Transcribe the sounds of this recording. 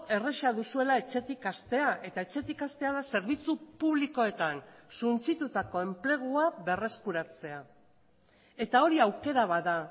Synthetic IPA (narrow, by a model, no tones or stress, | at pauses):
e̞re̞ʃaðusue̞lae̞t͡ʃe̞t̪ikast̪e̞aʔe̞t̪ae̞t͡ʃe̞t̪ikast̪e̞aðase̞ɾβ̞it͡supuβliko̞e̞t̪ansunt͡sit̪ut̪ako̞e̞mple̞ɣ̞uaβe̞re̞skuɾat͡se̞a | e̞t̪ao̞ɾiawke̞ɾaβaða